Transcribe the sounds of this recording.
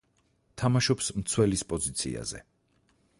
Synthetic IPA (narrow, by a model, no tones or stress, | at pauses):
t̪ʰamaʃɔpsmt̪sʰwɛlispʼɔzit̪sʰḭa̰zɛ̰